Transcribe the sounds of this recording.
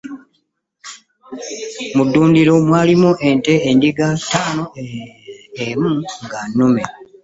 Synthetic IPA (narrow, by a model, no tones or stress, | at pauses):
mudːuːndiɾomwaːlimuʔe̞nte̞ːndiɡataːno̞ | emuŋɡanːume